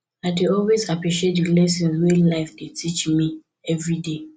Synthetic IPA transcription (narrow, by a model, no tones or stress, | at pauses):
aɪdeɔlwezapɹiʃietdilɛsĩnwelaɪfdetʰit͡ʃmi | ɛvɹide